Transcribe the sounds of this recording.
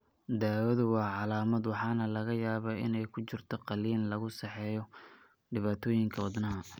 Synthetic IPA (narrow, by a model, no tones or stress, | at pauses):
d̪aːwɐðʊwɑːʕɑlaːmɐd̪wɑħɑːnɐlɐɣɐjaːβɐɪnɛjkʰʊt͡ʃɪrt̪ʰɔqɑliːllɐɣʊsɛħɛːjɔ | ɖɪβaːt̪ʰɔːjɪŋkʰɐwɑd̪nɐɦɐ